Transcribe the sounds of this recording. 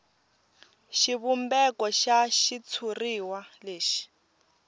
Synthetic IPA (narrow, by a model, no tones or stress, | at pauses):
ʃiβumbɛkɔʃaʃit͡sʰuriwaleːʃi̥